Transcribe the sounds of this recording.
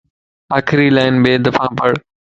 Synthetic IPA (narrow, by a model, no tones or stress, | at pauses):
aːkʰɾiːlaːɪnbeːd̪ɐfʰãːpəɽ